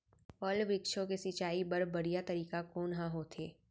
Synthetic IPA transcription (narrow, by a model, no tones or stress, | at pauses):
pəlʋɾɪkʃõkesɪt͡ʃaːibəɾbɐɽijat̪əɾiːkakoːnɦãɦoːt̪ʰeː